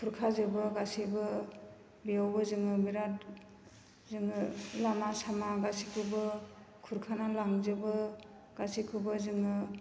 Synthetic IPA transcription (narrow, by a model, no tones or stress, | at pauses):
kʰuɾkʰazɯbɯɡasibɯ | biawbɯzɯŋɯbiɾat | zɯŋɯlamasamaɡasikʰubɯ | kʰuɾkʰanalaŋzɯbɯ | ɡ̥asikʰubɯzɯŋɯ